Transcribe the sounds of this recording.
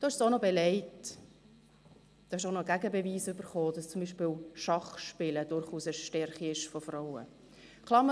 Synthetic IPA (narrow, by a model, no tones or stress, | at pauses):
d̥oːɪʃsonobɛlɛɪt | d̥ɑːɪʃonoɡæɡəbɛviːsʏb̥əɾχoːd̥ɑst͡sʊmbiːʃpɪːlʃɑχʃpɪləd̥ʊɾχuːsɛʃtɛɾχiɪʃfofraʊə̰ | kʰlˠɑːɾm